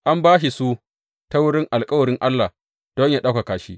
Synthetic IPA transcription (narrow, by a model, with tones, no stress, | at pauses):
ʔa˦mbaː˦ʃ̬i˨su˦ | ta˦wʊ˦ɽɪ˦ŋʔa˨lkʼɐ˦wɐ˨ɽɪ˦ŋʔa˦lːa˨ | d̥ɔ˦ɲjaː˦˨ɗa˦ka˨kaː˨ʃi˦